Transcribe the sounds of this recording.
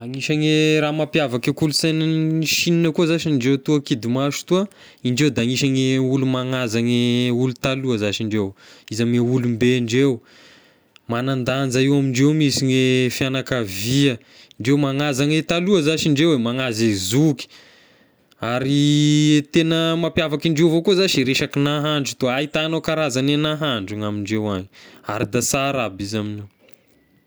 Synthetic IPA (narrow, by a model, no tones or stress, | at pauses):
aŋiʃaŋeɾamapjavakekuluseniʃininəkuəzaʃiɳɖ͡ʐewt̪uəkid̪imaʃu̥t̪uə | iɳɖ͡ʐewd̪aaŋiʃaŋeulumaŋazaŋeulut̪aluəzaʃiɳɖ͡ʐewizameulumbeɳɖ͡ʐew | manand̪and͡zaiwamiɳɖ͡ʐewmisiɲefianakaviə | iɳɖ͡ʐewmaŋazanet̪aluəzaʃiɳɖ͡ʐewemaŋazezuki̥ | aɾit̪enəmapjavakiɳɖ͡ʐewvokuzaʃiɾeʃakinaɦaɳɖ͡ʐut̪oait̪anokaɾazanenaɦaɳɖ͡ʐuŋamiɳɖ͡ʐewaɲia̰ɾid̪asaɾabizaminew